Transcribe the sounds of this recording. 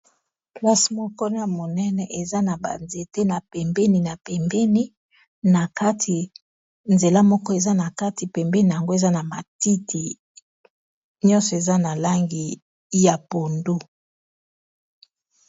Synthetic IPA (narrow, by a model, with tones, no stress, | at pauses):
pla˦si̥˨mɔ˦kɔ˦na˨mo˨nɛ˦nɛ˨ʔe˨za˦na˨ba̰˨nze˨te˦na˨pɛ˨mbɛ˦ni˨na˨pɛ˨mbɛ˦ni˦ | na˨ka˦tʰi˨ | nze˨la˦mɔ˦kɔ˦e˨za˦na˨ka˦ti˨pɛ˨mbɛ˦ni˨a˨ŋɡo˦e˨za˦na˨ma˨ti˦tʰi˨ | ɲɔ˦nsɔ˨e˨za˦na˨la˦ŋɡi˨ | ja˨po˨ndo˦